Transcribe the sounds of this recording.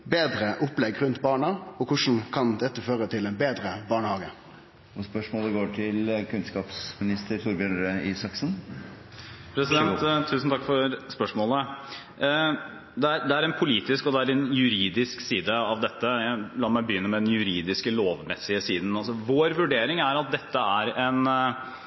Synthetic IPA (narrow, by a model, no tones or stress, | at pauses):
beːd̪ɾəʔʊplɛɡːɾʉnt̪bɑːɳəɔkʰʊʂn̩kʰɑnd̪ɛt̪ːəføːɾət̪ʰɪlɛnbeːd̪ɾəbɑːɳəhɑːɡə | ʋɑspœʂmɔːləɡoːʈʰɪlkʰʉnskɑːpsmɪnɪst̪əɾt̪ʰuɾbjœnɾəɪsɑksn | pʰɾɛsɪd̪ɛntt̪ʰːʉːsn̩t̪ʰɑkːfɔɾspœʂmoːlə | d̪ɛæɾd̪ɛæɾɛnpʰʊliːt̪ɪskɔd̪ɛæɾɛnjʉɾiːd̪ɪsksiːd̪əɑʋd̪ɛt̪ːəjælɑːmæɪbəjʏnːəmɛd̪ɛnjʉɾiːd̪ɪskəloːʋmɛsɪəsiːd̪n̩ɑsɔʋoːɾʋʉɖeːɾɪŋæɾɑt̪̚d̪ɛt̪ːəæɾɛn